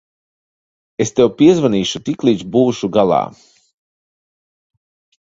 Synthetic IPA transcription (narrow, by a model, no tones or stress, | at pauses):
est̪ɛwpiɛzvaniːʃut̪iklˠiːd͡ʒbuːʃuɡalˠa̰ː